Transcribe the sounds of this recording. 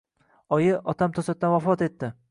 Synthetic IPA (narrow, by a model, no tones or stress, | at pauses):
ɒjɪʔɒt̪ʰamt̪ʰɒsat̪ːanvwafɒt̪e̞t̪ʰːɪ